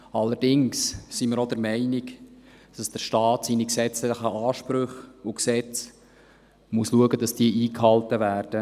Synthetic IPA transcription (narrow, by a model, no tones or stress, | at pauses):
ɑlːəɾdɪŋssiməɾod̥əɾmɛɪnɪk | d̥ɑsd̥əɾʃtɑːtsiniksɛt͡slɪχəʔɑːʃpɾʏχʊksɛt͡s | muəsluəɡəd̥ɑsd̥iəʔiːkhɑltəvæːɾd̥ə